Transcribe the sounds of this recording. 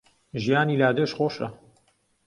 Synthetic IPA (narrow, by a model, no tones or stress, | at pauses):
ʒijaːniːlaːd̪əʃχoːʃɐ̰